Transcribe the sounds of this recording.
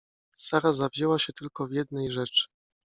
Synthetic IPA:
saɾazavʲʑɛwaɕɛt̪ɘlkɔvjɛd̪nɛjʐɛt͡ʂɘ̥

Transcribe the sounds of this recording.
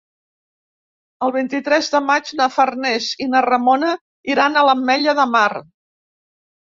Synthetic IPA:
əlˠβ̞int̪it̪ɾɛzðəmad͡ʒnəfərnɛzinərəmonə | iɾanələmːɛʎəðəmar

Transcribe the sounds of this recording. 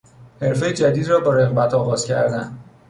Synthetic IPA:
he̞ɾfejed͡ʒæd̪iːd̪rɒːbɒːɾeɣbæt̪ʰɒːɣɒːz̥cʰæɾd̪æ̰nd̪

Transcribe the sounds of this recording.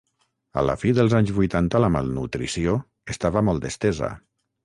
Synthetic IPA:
ə̰lə̰fiðəlˠzaɲzβujt̪ant̪ələma̰lˠnṵt̪ɾisio | est̪aβəmɔlˠd̪əst̪ɛzə̰

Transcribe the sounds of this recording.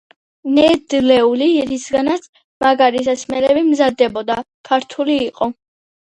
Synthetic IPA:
nɛd̪lɛuliɾisɡanat̪sʰ | maɡaɾis̬asmɛlɛbimzad̪ːɛbɔd̪a | kʰaɾt̪ʰuliːqʼɔ

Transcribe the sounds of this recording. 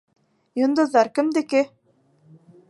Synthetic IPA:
jŏnd̪ŏzɑɾkɘ̆md̪ɘ̆kɘ

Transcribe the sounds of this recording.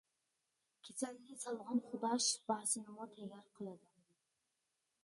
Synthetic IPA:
kʲʰet͡ʃʰannʲɪsɒlˠʁɑnχʊd̪aʃb̥asɪnɪmɔt̪ʰeɡʲaɾqʰɨlˠad̪ɪ

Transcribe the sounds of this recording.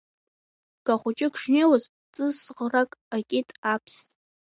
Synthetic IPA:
ɡ̥ʼaχʷʊt͡ʃʼɪkʰʂnelaz | t͡sʼɨsʁrakʼakʲʼɪtʼapʰstʼ

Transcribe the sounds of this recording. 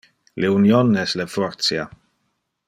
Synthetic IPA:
leunjonɛslefɔɾt̪sja

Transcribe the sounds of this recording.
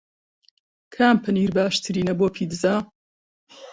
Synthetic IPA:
kʰaːmpʰɨniːɾbaːʃt̪ʰɨɾiːnɐboːpʰiːd̪ɨzaː

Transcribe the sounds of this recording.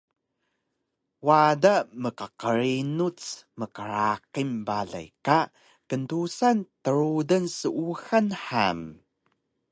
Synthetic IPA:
wadaməkəqəɾinut͡sməkəɾaqimbaɮa̰jka | kəntusantəɾudənsəʔuxanħa̰m

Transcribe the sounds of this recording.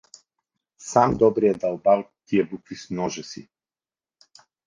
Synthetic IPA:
samd̪ɔbɾijad̪alˠbalˠt̪iɛbukvismnɔʒɛsḭ

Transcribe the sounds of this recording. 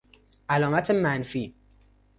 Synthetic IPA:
ʔælɒːmæt̪ʰemænfiː

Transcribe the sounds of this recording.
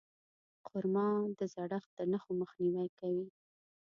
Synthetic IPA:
qʰʊɾmɑnd̪əzaɽaxd̪ənaxoməxniwajkawi

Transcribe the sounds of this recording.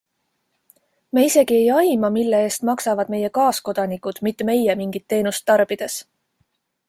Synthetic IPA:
meise̞ɡ̥ie̞jɑjmɑmilːe̞e̞ːst̪mɑksɑvɑd̪me̞je̞kɑːsko̞d̪̥ɑnikud̪̥mit̪ːeme̞jemiŋɡit̪ːe̞ːnust̪ːɑrb̥id̪̥e̞s

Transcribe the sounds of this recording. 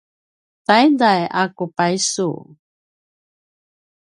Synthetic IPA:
t̪ajdajʔakupajsṵ

